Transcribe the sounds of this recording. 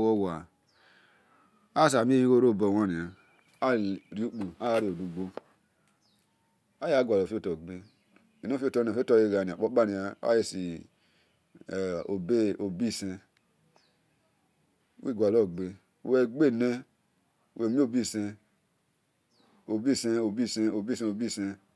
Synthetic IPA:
wo˦wa˨ | a˦sa˨mi˦e˦ji˦wo˦ɾo˦˨bo˨wa˦ni˨a˨ | a˦˨ɾi˦u˦k͡pu˨a˦ja˦ɾi˦˨o˨du˨ɡ͡bo˦ | a˦ja˦ɡʷa˨lo˨fi˦o˦to˨ɡ͡be˦ | i˨no˦fi˦o˦to˦˨fto˦˨je˦ɡa˨ni˨a˨k͡po˦ɓa˦ni˨a˨˦a̰˦je˦si˨ | o˨be˦o˨bi˦˨sẽ˧ | wḭ˦˨ɡʷa˨lo˦˨ɡ͡be˨˦˨ | we˨ɡ͡be˦˨ne˦ | wʔe˨mi˦o˦˨bi˦˨sẽ˧ | o˨bi˦˨se˦o˨bi˦˨se˧o˨bi˦˨sẽ˧˦o˨bi˦˨se˧

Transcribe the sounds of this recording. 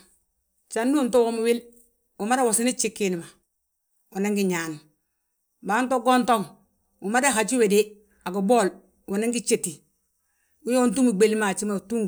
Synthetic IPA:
t͡ʃa˨ndu˦nto˦wo˦mu˦wi˦l | wu˨ma˦ɾe˦wo˨si˦ni˦t͡ʃi˦kːi˦ni˨ma˨ | u˨ne˦ŋɡi˦ɲa˨nu˨ | ba˨nto˦ɡo˦nto˦ŋ | wu˨ma˦ɾe˦ɦa˨t͡ʃi˦we˨de˦ | a˨ɡo˨bo˦˨l | wu˨ne˦ŋɡi˦t͡ʃe˨ti˨ | wu˦jo˦u˦ntu˦mu˨ɡ͡be˨li˦ma˨t͡ʃi˦ma˨tu˦ŋ

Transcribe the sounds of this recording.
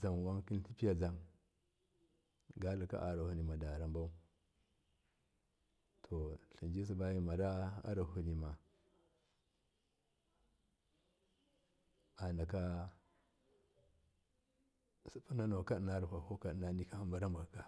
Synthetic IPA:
za˨m˨wa˦ŋki˦n˦ɬi˦pi˦ja˨d͡za˦ŋ | ɡa˦lu˨ka̰˦ʔa˨ɾa˨hu˨ni˨ma˨da˨ɾa˨mba˦u˦ | tʰo˨ɬi˨nd͡ʒi˦s̬i˦ba˦ji˦ma˨ɾa˦a̰˦ɾa˨hu˨ni˨ma˨ | a˨na˨ka˦ | su̥˨pu˦na˦no˨ka˦dna˦ɾa˨ɦʷa˨ho˦ka˨ɗna˨ni˦ka˦ha˦mba˦ɾa˦mba˨ka˦

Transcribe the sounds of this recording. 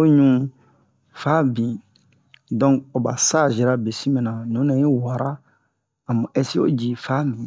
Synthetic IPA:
o˦ɲũ˦ | fa˦bĩ˨ | dɔ̃˦ŋo˨ba˨sa˦˨ʒi˨ɾa˦be˨si˦mɛ̃˨nã˨nũ˨˦nã˨ji˦wa˨ɾa˦ | a˨mã˨ɛ˦si˦o̰˦d͡ʒi˨fa˦mĩ˨

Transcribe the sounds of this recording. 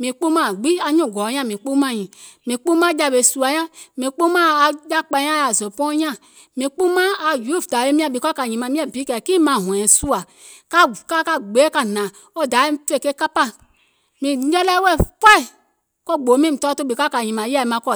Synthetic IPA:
mĩ˨k͡pu˦ma˦˨ɡ͡bi˦a˧ɲũ˦˨ɡɔ˨˦jã˦˨mĩ˨k͡pu˦mã˦˨ɲĩ˨ | mĩ˨k͡pu˦mã˦d͡ʒa˧˨be˨su˨a˨jã˦mĩ˨k͡pu˦ma˦˨d͡ʒa˦k͡pa˧˦ã˦a˨zo˨pɔ̃˦ɲã˦ | mĩ˨k͡pu˦mã˦a˨ju˦˨fda˨je˦mĩ˦a˦˨bi˨ka˦ka˨ɲĩ˨ma˨mĩ˦ɛ˦˨bi˨˦kɛ˨ki˦mã˨ɦũ˨ɛ˨su˦a˨ | ka˦ka˦ka˦ɡ͡be˨˦ka˧˨nã˨ | ɔ˦˨da˨˦e˦m˦tu˦e˦˨ke˦ka˦pa˦ | mĩ˨˦ɛ˦lɛ˦wɛ˦˨kʷɛ˦˨ | kɔ˦˨ɡ͡bo˨˦mĩ˦m̩˨tɔ˦to˦bi˨ka˦ka˨ɲĩ˨mã˨˦ja˦˨e˨mã˨˦kɔ˦˨

